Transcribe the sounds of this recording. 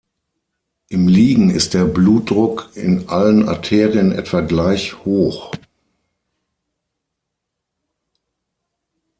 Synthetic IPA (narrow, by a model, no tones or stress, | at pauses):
ʔɪmliːɡŋ̩ɪ̰st̚d̥eːɐbluːt̚d̥ʁʊkʰɪ̰nʔaləna̰tʰeːʁiənʔɛ̰tv̥aɡlaɪçhoːx